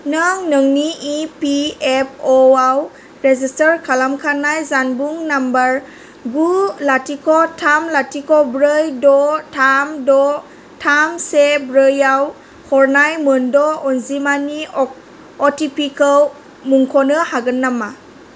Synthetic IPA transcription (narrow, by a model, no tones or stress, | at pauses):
naŋnɯŋniʔipiep̚ʰɔaw | ɾezistəɾkʰalamkʰanajzanbuŋnambaɾ | ɡulatikʰɔtʰamlatikʰɔbɾɯjdɔtʰamdɔ | tʰamsebɾɯjaw | hʰɔɾnajmɯndɔɔnzimani | ɔtipʰikal | muŋkʰɔnɯhaɡɯnːama